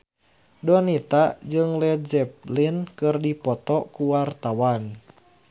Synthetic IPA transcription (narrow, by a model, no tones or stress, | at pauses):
dɔnit̪ad͡ʒɨŋlɛd͡ʒɛp̚linkɨrdipɔt̪ɔkuwart̪awan